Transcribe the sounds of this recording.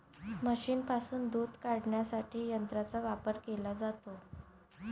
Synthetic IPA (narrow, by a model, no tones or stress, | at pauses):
məɕiːnpasuːnd̪uːd̪kaɽɳjasaʈʰiːjənt̪ɾat͡saʋapəɾkelad͡zat̪o